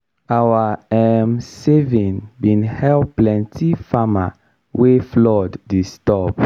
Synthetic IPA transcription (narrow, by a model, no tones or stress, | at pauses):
awaɛmsevĩnbĩnhɛlplɛ̃ntʰifama̰ | weflɔdːistɔp